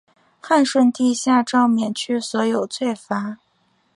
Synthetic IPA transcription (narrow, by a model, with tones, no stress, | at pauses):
xa˥˧nʂwə˥˧nt̪i˥˧ɕja˥˧ʈ͡ʂɑ˥˩ʊmjɛ˨˩nt͡ɕʰy˥˩swɔ˧˥jo˨˩ʊt͡sʰwe˥˩ɪfa˧˥